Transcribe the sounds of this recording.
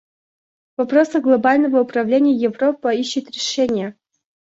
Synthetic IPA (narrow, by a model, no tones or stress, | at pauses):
vɐpɾosəɡlˠɐbalʲnəvəʊpɾɐvlʲenʲɪjəjɪvropːəiɕːɪt̪ɾʲɪʂɛnʲɪjə